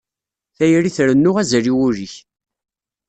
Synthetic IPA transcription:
θæjəɾiθɾənːʊʁæzɾiwʊɾiç

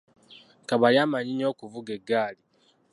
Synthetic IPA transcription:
kaβaɾjamaɲiɲo̞ːkuvuɡe̞ɡaːli

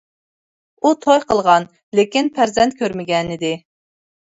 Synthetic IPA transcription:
ut̪ʰojqʰəlˠʁɑn | lekʲinpʰæɾzɛnt̪̚kʲʰøɾmɪɡʲɛnɪd̪ɪ

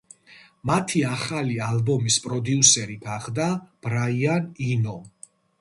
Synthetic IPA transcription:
mat̪ʰiaχalialbɔmispʼɾɔd̪iusɛɾiɡaχd̪ab̥ɾaianinɔ

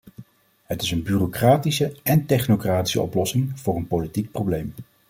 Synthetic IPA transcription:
ɦətɪsənbyrokraːtisəɛntɛχnowkraːti̥sə̰ʔɔ̰plɔsɪŋv̥ʊːrənpowlitik̚prowblejm

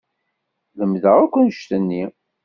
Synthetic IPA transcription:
ðəmðəʁækʷːənʃt̪ənːi

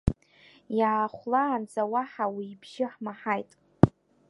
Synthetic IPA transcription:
jaːχʷlaːnd͡zawaħawiːbʒɪħmaħajtʼ

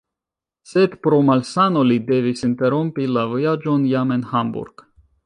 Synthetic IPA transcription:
se̞d̪pɾo̞malsano̞lid̪e̞visint̪e̞ɾompilavojad͡ʒo̞njame̞nhambṵɾɡ̥

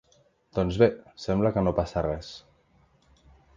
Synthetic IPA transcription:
d̪̥ɔnzβesɛmbləkənopasərɛs

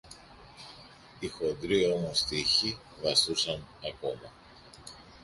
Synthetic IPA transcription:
ixo̞nd̪ɾio̞mo̞st̪içi | vɐsθusɐnɐko̞mɐ

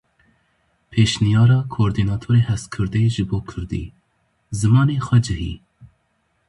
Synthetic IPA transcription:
pʰeːʃnijɑːɾɑːkʰoːɾd̪iːnɑːt̪ʰoːɾeːhɛst̪kʰɨɾd̪eːʒɨboːkʰɨɾd̪ḭː | zɨmɑːneːxwɛd͡ʒɨhḭː

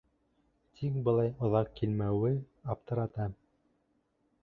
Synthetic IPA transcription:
t̪ʰik̚bɤ̆lˠɑjŏðɑqːilmæwɘ | ɑp̚t̪ɤ̆ɾɑt̪ɑ

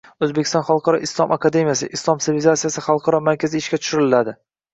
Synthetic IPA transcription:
ɵzbekʲɪ̥st̪ɒnχɑlˠqʰɑɾɒʔɪslˠɒmʔakʰad̪e̞mijasɪ̰ʔɪslˠɒmsɪvɪlɪzat̪sijasɪχɑlˠqʰɑɾɒmaɾkʲazɪːʃkʲat̪ʰʊʃʊɾɪlad̪ɪ

